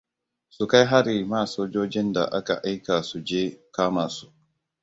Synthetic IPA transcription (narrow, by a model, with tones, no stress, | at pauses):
su˨ka˦jɦa˦ɾi˨maː˦˨soː˦d͡ʒoː˦d͡ʒɪ˦nda̰˨ʔa˦ka̰˨ʔa˦jka˨su˨d͡ʒeː˦kaː˦maː˨su̥˨ʔ